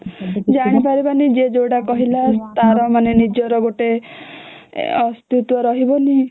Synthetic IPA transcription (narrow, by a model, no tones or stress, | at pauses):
d͡ʒaɽ̃ipaɾibanid͡ʒed͡ʒoɽakɔɦilat̪aɾɔmanenid͡ʒɔɾɔɡoʈe | ɔst̪ut̪wɔɾɔɦibɔni